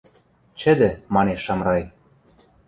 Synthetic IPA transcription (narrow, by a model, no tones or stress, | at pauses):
t͡ɕɘ̆d̪ɘ̆mɑneʃːɑmrɑj